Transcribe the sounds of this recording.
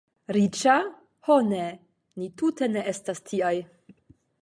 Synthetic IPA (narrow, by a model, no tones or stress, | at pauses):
ɾit͡ʃa | hone | nitute̞ne̞ʔe̞stastʰiaj